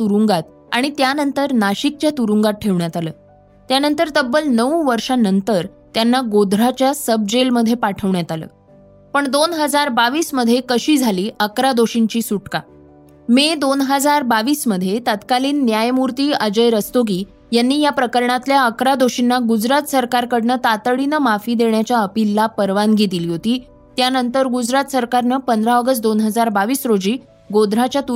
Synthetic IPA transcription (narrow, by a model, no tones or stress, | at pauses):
t̪uɾuŋɡat̪̚ | a̰ɽ̃it̪janənt̪əɾnaɕik̚t͡ɕjat̪uɾuŋɡat̪̚ʈʰeʋɳjat̪alə̰ː | t̪janənt̪əɾt̪əbːəlnəʋũʋəɾʂanənt̪əɾ | t̪janːaɡod̪ʱɾat͡ɕjasəb̚d͡ʑelməd̪ʱjepaʈʰəʋɳjat̪alə̰ː | pəɳd̪onɦəd͡zaɾbaʋiːsməd̪ʱjekəɕiːd͡zʱaliːʔəkɾad̪oɕiɲt͡ɕiːsuʈka̰ | med̪onɦəd͡zaɾbaʋiːsməd̪ʱjet̪at̪kaliːnːjajmuɾt̪iːəd͡ʑəjɾəst̪oɡiː | janːiːjapɾəkəɾɳat̪ljaəkɾad̪oɕinːaɡud͡zɾat̪səɾkaɾkəɽnət̪at̪əɽinəmafiːd̪eɳjat͡ɕjaəpilːapəɾʋanɡet̪iliːɦot̪iː | t̪janənt̪əɾɡud͡zɾat̪səɾkaɾnəpənd̪ɾaəɡəs̬t̪̚d̪onɦəd͡zaɾbaʋiːsɾod͡ʑiː | ɡod̪ɾat͡ɕjat̪u